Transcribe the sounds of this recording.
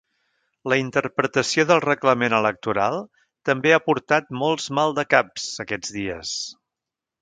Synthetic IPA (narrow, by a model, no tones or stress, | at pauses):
ləint̪əɾpɾət̪əsioðəlˠrəkləmenələk̚t̪uɾalˠ | t̪əmbeapuɾt̪at̪̚mɔlˠzmalˠd̪əkapz̥əkɛd͡zðiəs